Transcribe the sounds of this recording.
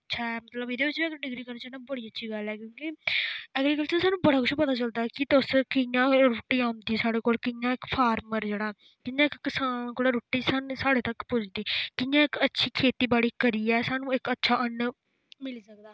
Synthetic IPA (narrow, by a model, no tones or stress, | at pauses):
ətːʃʰaːɛmət̪ləbɪd̪eːʋɪt͡ʃʋiːəkɖɪɡɾiːkəɾnaːt͡ʃaːnaːbəɽiːətːʃʰiːɡəlɛːkjõːkiɛːɡɾiːkəlt͡ʃəsaːnũːbəɽaːkʊt͡ʃʰpət̪aːt͡ʃəld̪aːkɪt̪ʊskɪjãːɾoːʈːiːaːmd̪iːsaːɽeːkoːlkɪjãːɪkpʰaːɾməɾd͡ʒeːɽaːɛ | kɪjãːɪkːɪsaːnkoɽaːɾoːʈːiːsansaːɽeːt̪əkpʊt͡ʃʰd̪iːkɪjãːɪkətːʃʰiːkʰeːt̪iːbaːɽiːkəɾiːɛːsaːnũːɪkətːʃʰaːʔən | mɪlːsək̚d̪aː